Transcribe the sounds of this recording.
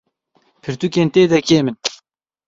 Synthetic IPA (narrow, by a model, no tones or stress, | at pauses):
pʰɨɾt̪ukeːnt̪eːd̪ɛkeːmɨn